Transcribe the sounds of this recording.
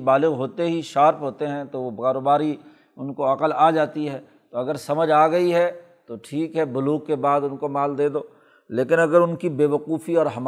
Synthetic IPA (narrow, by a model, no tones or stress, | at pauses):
baːlɪɣɦoːt̪eɦiʃaːɾpɦoːt̪eɦɛ̃t̪oʋokaːɾoːbaːɾi | ʊnkoɐqəlaːd͡ʒaːt̪iɦɛː | t̪oɐɡəɾsɐməd͡ʒaːɡɐiɦɛ | t̪oʈʰiːkɦɛbʊluːɡ̚kːebaːd̪ʊnkomaːld̪eːd̪oː | leːkɪnɐɡəɾʊnkibeːʋɐquːfiɔːɾɦɐm